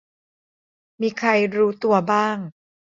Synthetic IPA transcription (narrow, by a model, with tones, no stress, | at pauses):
miː˧kʰa˧jɾuː˦˥t̪u˧ɐbaː˥˩ŋ